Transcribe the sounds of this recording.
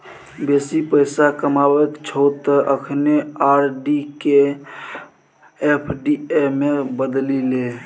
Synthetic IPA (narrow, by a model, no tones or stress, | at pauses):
besipəjsakəmabekt͡ʃʰət̪ːəʔəkʰneaɾɖike | epʰɖiemebəd̪lile